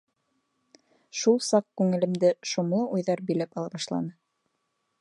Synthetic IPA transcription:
ʃulˠsɑq̚kʉŋɘ̆lɘ̆md̪ɘʃomlˠɤʔujðɑɾbilæpɑlˠɑβɑʃlˠɑ̰nɤ

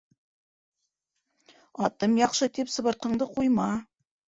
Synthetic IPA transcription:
ɑt̪ɤmjɑqʃɤt̪epsɤ̆βɤ̆ɾt̪̚qɤ̆ɴd̪əqujmɑ

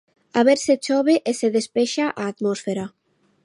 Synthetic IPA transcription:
aβeɾset͡ʃoβeʔeseðespeʃaʔaːt̪mɔsfeɾa

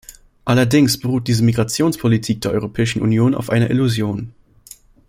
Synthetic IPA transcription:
ʔalɐdɪŋsb̥əʁuːt̚d̥iːzəmiɡʁat͡sjoːnspʰolitʰiːk̚d̥eːɐʔɔ̰ʏʁopʰɛːɪʃn̩ʔṵnjoːna̰ʊfʔaɪnɐʔiluzjoːn

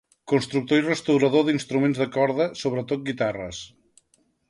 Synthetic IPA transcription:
kunst̪ɾuk̚t̪oirəst̪əwɾəðoðinst̪ɾumenzðəkɔɾðəsoβɾət̪ot̪̚ɡit̪arə̰s

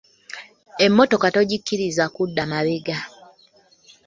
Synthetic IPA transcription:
emːoto̞kato̞ɟikːiɾizakudːamaβeɡa

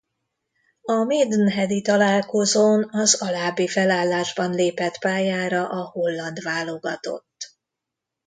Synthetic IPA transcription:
ɒmeːd̪nɦɛd̪it̪ɒlaːlko̞zoːnɒzɒlaːbːifɛlaːlːaːʒbɒnleːpɛt̪paːjaːɾɒʔɒho̞lːɒnd̪ʋaːlo̞ɡɒt̪o̞̰t̪ː

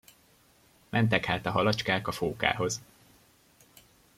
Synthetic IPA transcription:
mʔɛnt̪̬ɛkhaːt̪ɒɦɒlɒt͡ʃkaːkɒfoːka̰ːɦo̞z

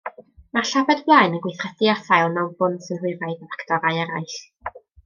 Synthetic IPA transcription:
marɬabɛdblˠajnəɡwɪjθrɛθɪaθajlˠnawbʊndsɪnhʊɨɾajvəvaktɔɾajɛɾajɬ

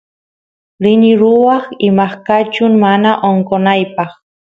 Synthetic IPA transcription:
ɾɪnɪɾʊwɑχɪmaχkat͡ʃʊŋmanaʔoŋkonajpɑχ

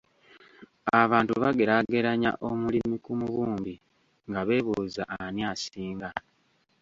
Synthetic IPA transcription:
aβaːntuβaɡe̞ɾaɡe̞ɾaɲa̰ʔo̞mulimikumuβuːmbi | ŋɡaβe̞ːβuːzaʔːnjasiːŋɡa

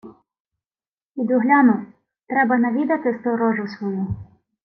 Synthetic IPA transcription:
id̪ʊɦlʲɑnʊ | t̪ɾɛbɐnɐʋʲid̪ɐt̪ɪst̪ɔɾɔʒʊsʋɔju

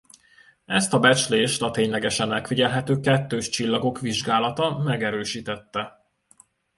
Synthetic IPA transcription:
ɛst̪ɒbɛt͡ʃleːʃt̪ɒt̪eːɲlɛɡɛʃɛnɛkfiɟɛlɦɛt̪øːkɛt̪ːøːʃt͡ʃilːɒɡo̞kʋiʒɡaːlɒt̪ɒmɛɡɛɾøːʃiːt̪ɛt̪ːɛ

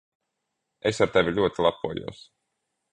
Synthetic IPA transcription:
esaɾt̪evʲilʲuɔt̪ilˠapːuɔjṵɔs

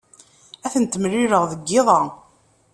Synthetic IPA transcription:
æθənt̪əmriɾəʁðəɡːɪðˤɑ

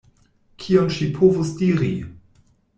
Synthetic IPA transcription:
kʰionʃipʰovusdiɾḭ

